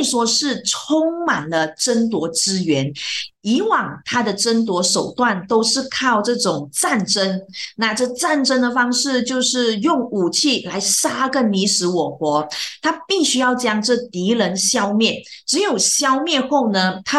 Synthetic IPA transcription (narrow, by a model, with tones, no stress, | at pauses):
ʂwɔ˥ʂɻ̩˥˩ʈ͡ʂʰʊ˥ŋma˨˩nlə˦ʈ͡ʂə˥nt̪̬wɔ˧˥ʈ͡ʂɻ̩˥ɥɛ˧˥ni˧˥wɑ˨˩ŋt̪ʰa˥d̪ə˨ʈ͡ʂə˥nt̪̬wɔ˧˥ʂo˨˩ʊt̪wa˥˩nt̪o˥ʊʂɻ̩˥˧kʰɑ˥˧ʊʈ͡ʂɤ˥˩ʈ͡ʂʊ˨˩ŋt͡sa˥˩nʈ͡ʂə˥ŋna˥˧ʈ͡ʂɤ˥˧t͡sa˥˩nʈ͡ʂə˥ŋd̪ə˨fɑ˥ŋʂɻ̩˥˧t͡ɕjo˥˧ʊʂɻ̩˥˩jʊ˥˩ŋu˨˩t͡ɕʰi˥˩la˧˥ɪʂa˥kə˥˩nni˧˥ʂɻ̩˧˥wɔ˨˩xwɔ˧˥t̪ʰa˥pi˥˩ɕy˥jɑ˥˩ʊt͡ɕjɑ˥ŋʈ͡ʂɤ˥˩t̪i˧˥lə˧˥nɕjɑ˥ʊmjɛ˥˩nʈ͡ʂɻ̩˧˥jo˨˩ʊɕjɑ˥ʊmjɛ˥˧xo˥˩ʊnə˧t̪ʰa˥